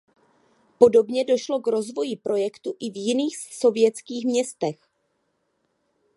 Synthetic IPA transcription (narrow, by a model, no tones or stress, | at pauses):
po̞do̞bɲɛdo̞ʃlo̞kɾo̞zvo̞jɪpɾo̞jɛkt̪uʔɪvjɪniːxso̞vjɛt͡skiːxmɲɛst̪ɛx